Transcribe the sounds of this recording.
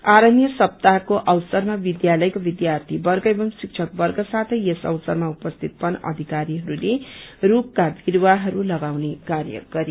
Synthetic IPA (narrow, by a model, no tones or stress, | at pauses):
aɾʌnjʌsʌp̚t̪akoʔʌwsʌrmabid̪jalʌjkobid̪jart̪ʰibʌrɡʌebʌmsik̚t͡ʃʰʌkbʌrɡʌsat̪ʰʌjesʌ̰wsʌrmaupʌst̪ʰit̪̚pʌnʌ̰d̪ʱikaɾiɦʌɾulerukkab̪ʱiɾwaɦʌɾulʌɡawnekaɾjʌ̰ɡ̥ʌɾe